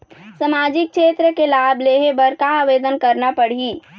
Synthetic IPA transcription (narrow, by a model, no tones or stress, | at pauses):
səmaːd͡ʒɪk̚kt͡ʃʃeːt̪ɾəkelaːbʱleːɦebəɾkaːʋeːd̪ənkəɾnapəɽ̤i